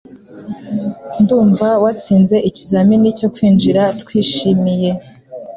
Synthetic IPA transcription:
nduːɱvawat͡siːnze̞ʔicizaminico̞kwiːnd͡ʒiɾatkwiːʃimije̞

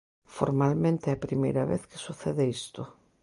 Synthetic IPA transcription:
fo̰ɾmalmẽnt̪eɛpɾimḛjɾɐβeθkɪ̥suθeðɪist̪ʊ

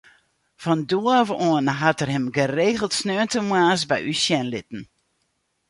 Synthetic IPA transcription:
fɔnduəvoənɦatərɦɛmɡəreːɣəlˠtsnøəntəmwaːsbɛjʔysjɛnlɪtn̩

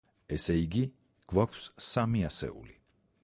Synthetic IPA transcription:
ɛsɛiɡi | ɡ̥wakʷʰsːamiasɛ̰ṵli

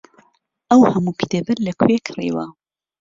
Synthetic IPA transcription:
ʔɐwhɐmukʰɨ̥t̪eːbɨlɐkʰwekʰrḭwɐ̰

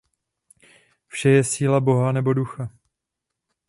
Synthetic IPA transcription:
fʃɛjɛsiːlabo̞ɦanɛbo̞duxa

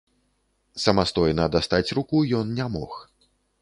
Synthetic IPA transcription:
sɐmast̪ɔjnɐd̪ast̪at͡sʲrukujɔnnʲamɔ̰x

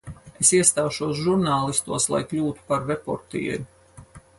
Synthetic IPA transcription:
e̞siɛst̪aːʃuɔs̬ʒuɾnaːlˠist̪uɔslˠa̰jklʲuːt̪u̥paɾvepɔ̰ɾt̪ḭɛ̰ɾʲ

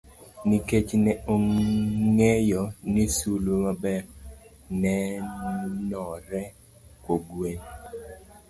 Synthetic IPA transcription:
niket͡ʃnɛoŋɛjɔnisulumabɛɾ | nɛ | nɔɾɛ | kwoɡwen

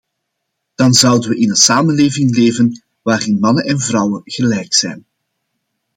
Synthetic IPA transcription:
d̥ɑnzʌwdənʋəʔɪnənsaːmənleːvɪŋleːvən | ʋaːrɪnmɑnənɛnvrʌwəɣəlɛjksɛ̰jn

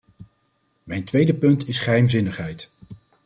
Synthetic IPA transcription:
mɛjntʋejdəpɵntɪsχəɦɛjmzɪnəχɦɛjt

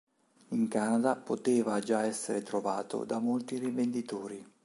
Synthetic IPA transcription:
iŋkaːnad̪apot̪eːvad͡ʒaɛsːeɾet̪ɾovaːt̪o̰d̪amolt̪irivend̪it̪oːɾi

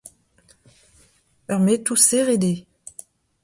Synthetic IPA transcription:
œʁmet̪useʁed̪e

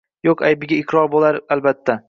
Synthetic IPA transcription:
joqajbɪɡʲaɪqɾɒɾbolaɾalbat̪ʰːa

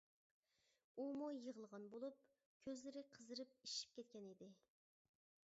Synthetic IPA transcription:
umujəʁəlˠʁɑnbolˠup̚ | kʲʰøzlɪɾɪqʰəzɨɾɨp̚iʃi̥p̚kʲɛt̪̚kʲɛnid̪ɪ

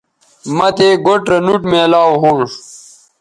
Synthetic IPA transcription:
mɐt̪eɡoʈɾɐnuʈmeːlaːwɦuɳʂ

